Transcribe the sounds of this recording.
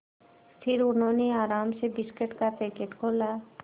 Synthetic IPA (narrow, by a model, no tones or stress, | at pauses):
sʈʰiɾunoniaɾamsebiskeʈkatekeʈkola